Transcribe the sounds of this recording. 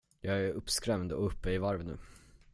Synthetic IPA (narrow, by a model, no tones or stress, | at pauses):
jɑːɡæɾɵpːskɾɛmnd̪əɔ̰ɵpːəɪvaɾvənʉ̟ː